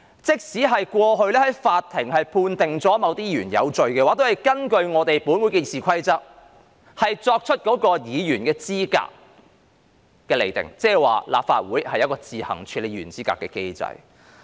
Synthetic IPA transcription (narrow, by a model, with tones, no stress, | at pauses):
t͡sɪ˥k̚siː˨˥ɦɐ˨jkʷɔː˧ɦɵ˧ɥlɛː˥hɐ˨˥jfaː˧t̪ʰːɪ˨˩ŋhɐ˨jpʰuː˧nt̪ɪ˨˩ŋt͡sɔː˨˥mɐ˨˧wt̪iː˥jyː˨˩njɐ̰˨˧wt͡ʃɵ˨ɥkɛː˧waː˨˥t̪o˥hɐ˨jkɐ˥nkɵ˧ɥŋɔː˨˧t̪e˨jpuː˨˥nwuː˨˥jke˧siː˨˧kʷʰɐ˥jt͡sɐ˥k̚ | hɐ˨jt͡sɔː˧k̚t͡ʃʰɵ˥t̚kɔː˨˥kɔː˧jiː˨˧jyː˨˩nkɛː˧t͡siː˥ka̰ː˧k̚ | ɛː˧le˨jt̪ɪ̰˨˩ŋt͡sɛː˥wa̰ː˨la̰ː˨p̚fa̰ː˧t̚wuː˨˥jhɐ˨jɐ˥t̚kɔː˧t͡siː˨˩hɐ̰˨˩ŋt͡ʃʰyː˨˧le˨˩jyː˨˩nt͡siː˥ka̰ː˧kːɛː˧ke˥jt͡sɐ̰˧j